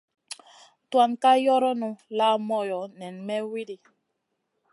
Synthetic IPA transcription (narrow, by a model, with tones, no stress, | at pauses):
twa˨nka˦jɔ˦ɾɔ˦nũ˦la˦mɔ˦˨jɔ˨˦nɛ˨nmɛ˦wi˦di˨